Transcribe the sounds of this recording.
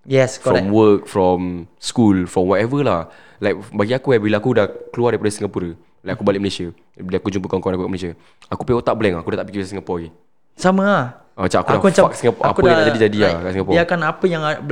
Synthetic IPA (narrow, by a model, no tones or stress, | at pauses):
jɛskfɾɔmwək̚fɾɔmskulfɾɔmwɔt̪ɛvəlah | lajk̚baɡiakuabilaakudahkəluardaɾipɾdsiŋɡapuɾə | lajakubalɪʔməlesiə | bilakud͡ʒump̬əkaŋkɔnakukaʔməlesiə | akupeot̪aʔbəlɛŋakudaht̪aʔpikiisasiŋəpɔɡi | samə | ət͡ʃaʔakulakuat͡ʃafak̚siŋapɔʔaauəjãad͡ʒadid͡ʒadiakaʔsiŋapɔakanapəjaŋ